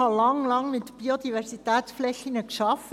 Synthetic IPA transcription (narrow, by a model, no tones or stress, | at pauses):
ɑlɑŋlɑŋmɪt̪b̥iodivɛɾsitɛːt̪t͡sflɛxinəkʃɑffə